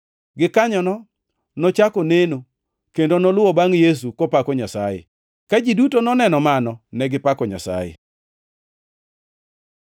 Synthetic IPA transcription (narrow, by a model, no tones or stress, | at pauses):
ɡɪkaɲɔnɔ | nɔt͡ʃakoneno | kendonɔlʊɔbaŋjes̬ukopakɔɲasa̰jḛ | kad͡ʒidutonɔnɛnɔmanɔnɛɡɪpakɔɲa̰sa̰jḛ